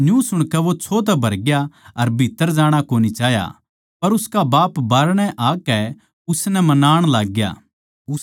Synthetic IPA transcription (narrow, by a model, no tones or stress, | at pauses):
njũsʊɽ̃kɛʋot͡ʃʰoːt̪ɛbʱɐɾɡjaɐɾbʱit̪ːəɾd͡ʒaːɽ̃akoːnit͡ʃaːɦja̰ | pɐɾʊskabaːpbaːɾɽ̃ɛʔaːkɛ | ʊsnɛmɐnaːɽ̃laːɡja̰ː